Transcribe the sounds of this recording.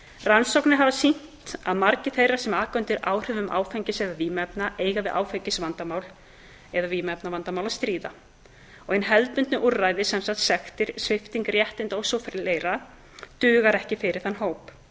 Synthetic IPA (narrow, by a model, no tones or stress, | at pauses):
ransowknɪɦavasin̥tt̪aðmaɾcɪθejrḁsɛmaːkœnt̪ɪɾa̰ːwr̥ʏvʏma̰ːwfɛɲcɪsɛðaviːmɛpnaʔeːjɣavɪðʔa̰ːwfecɪsvant̪amaːwl | ɛðaviːmɛpnavant̪amawlast̪ɾiːða | ɔɣejnɦɛlt̪mʏnt̪nɪʔurːaːjðɪsɛmsaht̪sɛxt̪ɪɾ̥svɪft̪iŋkrjɛht̪ɪnt̪owsowfɾɪleːjɾa | t̪ʏːɣaɾɛhcɪfɪɾɪɾ̥θanːɦoːwp